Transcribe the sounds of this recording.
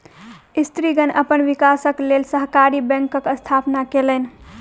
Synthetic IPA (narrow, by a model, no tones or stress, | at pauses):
ist̪ɾiɡənə̰pənʋikasəklelsəɦkaɾibɛ̃ŋkəkəst̪ʰapnakelən̆